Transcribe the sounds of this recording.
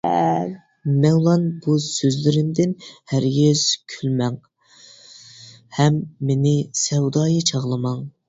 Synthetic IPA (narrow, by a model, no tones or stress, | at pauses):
ɛ̰ | mɛŋlˠɑnbusøzlɪɾɪmd̪ɪnhæɾɡʲez̥kʲʰylmɛŋ | hɛmːenɪsɛwd̪ɑːjɨt͡ʃʰɑʁlˠɨmɑŋ